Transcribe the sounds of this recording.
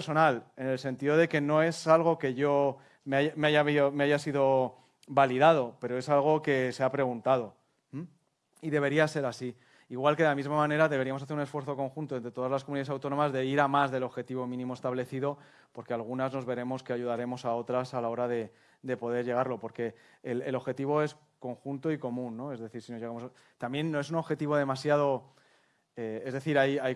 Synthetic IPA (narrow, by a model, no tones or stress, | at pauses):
ɾso̞nale̞ne̞lse̞nt̪iðo̞ð̞e̞ke̞no̞e̞salɣo̞ke̞ʝo̞ | meajmeaʝaβiomeaʝasiðo̞ | baliðað̞o̞pe̞ɾo̞e̞salɣ̞o̞ke̞se̞apɾe̞ɣunt̪að̞o̞ | iðe̞β̞e̞ɾiase̞ɾasi | iɣwalkeelamizmamãne̞ɾaðe̞β̞e̞ɾiamosaθeɾune̞sfwe̞ɾθo̞ko̞ŋxunt̪o̞ent̪ɾet̪o̞ðazlaskomuniaesawt̪o̞no̞mazðe̞iɾamazðe̞lo̞βxe̞t̪iβ̞o̞mĩnĩmo̞e̞st̪aβle̞θiðo̞ | po̞ɾke̞alɣ̞unazno̞zβe̞ɾe̞mo̞ske̞aʝuð̞aɾe̞mo̞sao̞t̪ɾasalao̞ɾaðe̞ | d̪e̞po̞ðe̞ɾʝe̞ɣ̞aɾlo̞po̞ɾke̞ː | lelo̞βxe̞t̪iβ̞o̞e̞s | ko̞ŋxunt̪oiko̞mũnːo̞e̞zðe̞θiɾsino̞zʝeɣamos | t̪ambje̞nːo̞esuno̞βxe̞t̪iβ̞o̞ð̞e̞masjað̞o̞ | ee̞zðe̞θiɾajaj